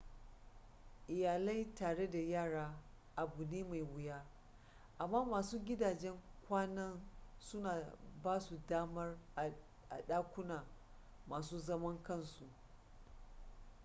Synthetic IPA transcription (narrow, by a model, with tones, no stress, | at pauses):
ʔɪ˨jaː˨la˦jtaː˨ɽe˦da˨jaː˦˨ɽaː˦ | ʔa˨bu˨neː˦ma˨jwʊ˨jaː˦ | ʔa˨mːaː˦maː˨suː˦ɡʲɪ˦daː˨d͡ʒɛ˦ŋkʷaː˦nɐ˦nsʊ˦naː˨baː˦su˨daː˦mɐ˦r | ʔa̰˨ɗaː˦kʷʊ˦naː˨ | maː˨suː˦zɐ˦mɐ˦ŋkɐ˦˨nsu˨ʔ